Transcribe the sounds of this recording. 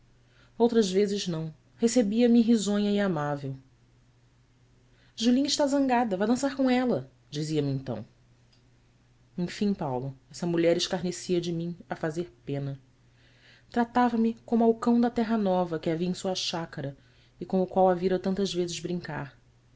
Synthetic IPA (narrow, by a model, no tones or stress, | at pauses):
owt̪ɾɐzvezɪznɐ̃w̃ | hesebiɐmɪɦizõɲɐɪamavew | ʒulĩɲɪʃt̪azɐ̃ŋɡad̪ɐvajd̪ɐ̃saɾkõɛlɐ | d͡ʒiziɐmɪẽnt̪ɐ̰̃w̃ | ẽj̃fĩpawlʊɛsɐmuʎɛɾɪʃkaɾnesiɐd͡ʒɪmĩŋɐfazeɾpẽnɐ | t̪ɾat̪avɐmɪkõmʊawkɐ̃w̃d̪ɐt̪ɛɦɐnɔvɐkɪaviɐẽj̃suɐʃakɐɾɐ | ɪkõʊkwawaviɾɐt̪ɐ̃nt̪ɐzvezɪzbɾĩŋka̰ɾ